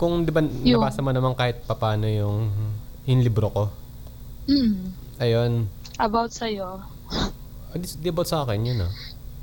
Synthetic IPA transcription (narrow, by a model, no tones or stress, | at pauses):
kʊŋd̪ɪbaɐbaːsɐmɐnɐmankaːhɪt̪̚pɐpaːno̞jʊŋ | jʊŋlibɾoko̞ | m̩ | ʔɐjon | ʔɐbawt̪sɐjo | d̪d̪iʔɐbaɐwt̪sɐaːkɛnjʊno